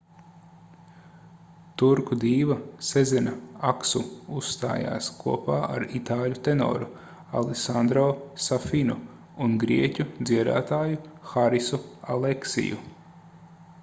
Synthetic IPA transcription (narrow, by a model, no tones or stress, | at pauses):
t̪uɾkud̪iːʋɐsezʲɛnɐaksuust̪a̰ːja̰ːskʰuɔpaːʔaɾit̪aːlʲut̪enɔ̰ːɾu | a̰lˠesand̪ɾoːsafinu | unɡɾiɛcʲud̪ziɛd̪a̰ːt̪aːjuxaɾisua̰leksḭjṵ